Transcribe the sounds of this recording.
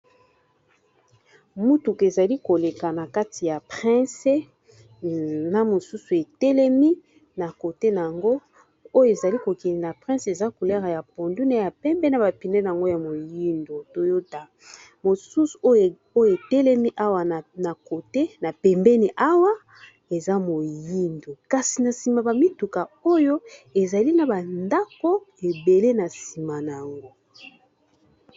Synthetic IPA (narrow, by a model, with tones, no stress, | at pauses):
mu˦tu˨ke˨za˨li˦ko˨le˨ka˨na˨ka˦ti˨ja˨pɛ̃˦se˦ | na˦mo˨su˦su˨e˨tɛ˦lɛ˦mi˦ | na˨ko˨te˦na˨ja˨ŋɡo˦ | o˦jo˨e˨za˨li˦ko˨kɛ˨ni˨na˨pʁɛ̃˦se˨za˦ku˨lɛ˦ʁa˨ja˨po˨ndu˦ne˦ja˨pɛ˦mbɛ˦n˦a˨ba˨pi˨nɛ˦n˨a˨ŋɡo˦ja˨mo˨ji˦ndo˨to˦jo˦ta˨ | mo˨su˦su̥˨o˦˨ | o˦jo˦e˨tɛ˦lɛ˦mi˦ʔa˦wa˨na˨ko˨te˦na˨pɛ˨mbɛ˦ni˨ʔa˦wa˦ | e˨za˦mo˨ji˦ndo˨ka˨si˨na˨si˨ma˨ba˨mi˦tu˨ka˨o˦jo˦e˨za˨li˦na˨ba˨nda˦ko˦e˨be˨le˦na˨si˨ma˨na˨a˨ŋɡo˦